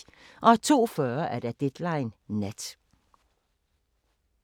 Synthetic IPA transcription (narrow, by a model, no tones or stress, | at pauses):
ʔɒ̽æt͡sʰo̝̰ːfœːɐʔæɐd̥æd̥ed̥lɑ̈ɪnːed̥